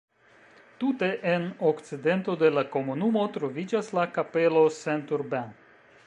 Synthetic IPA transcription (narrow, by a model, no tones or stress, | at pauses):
tute̞ʔeno̞kt͡side̞nto̞de̞lako̞munumo̞tɾo̞vid͡ʒaslakape̞lo̞sentuɾben